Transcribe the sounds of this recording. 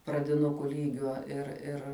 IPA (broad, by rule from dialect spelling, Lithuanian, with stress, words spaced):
prɐdʲɪˈnʊkʊ ˈlʲiːɡʲoː ɪr ˈɪr